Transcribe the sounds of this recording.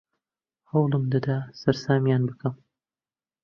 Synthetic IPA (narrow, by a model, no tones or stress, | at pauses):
hɐwlˠɨmd̪ɐd̪asɐɾsaːmjaːnbɨkʰɐm